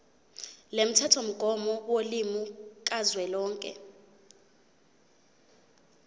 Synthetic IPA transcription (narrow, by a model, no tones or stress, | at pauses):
lem̩tʰatʰom̩ɡ̥ʱɔmɔwolimukʼazwɛlɔːŋkʼɛ̰